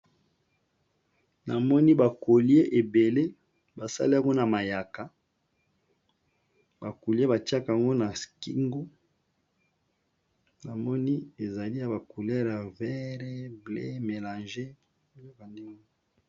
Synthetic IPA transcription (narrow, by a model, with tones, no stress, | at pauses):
na˨mɔ˦ni˦ba˨ko˨li˦e˦ʔe˨be˨le˦ | ba˨sa̰˦li˦a˨ŋɡo˦na˨ma˨ja˨ka˨ | ba˨ku˨li˦e˦ba˨ti˦a˦ka˨a˨ŋɡo˦na˨ski˦ŋɡo˦ | na˨mɔ˦ni˦e˨za˨li˦ja˨ba˨ku˨lɛ˦ʁa˨vɛ˦ʁe˦blḛ˦me˨la˨nʒe˦ | lo˦ka˨nde˦ŋo˦o˦